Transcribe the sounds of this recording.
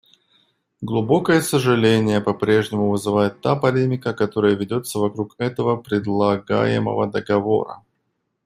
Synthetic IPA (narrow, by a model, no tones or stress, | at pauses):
ɡlˠʊbo̞kəjəsəʐɨlʲenʲɪjəpɐpɾʲe̞ʐnʲɪmʊvɨzɨvajɪt̪ːapɐlʲemʲɪkəkɐt̪o̞ɾəjəvʲɪdʲo̞t̪sːəvɐkɾukɛt̪əvəpɾʲɪd̪lˠɐɡa̰jɪ̰mə̰və̰d̪əɡɐvo̰ɾə̰